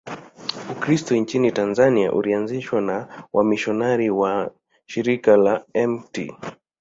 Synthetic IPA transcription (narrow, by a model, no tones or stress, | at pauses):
ukɾistɔint͡ʃinitanzania̰ʔṵlianziʃwanawʔamiʃɔnaɾiwa | ʃiɾikalaɛmtḭ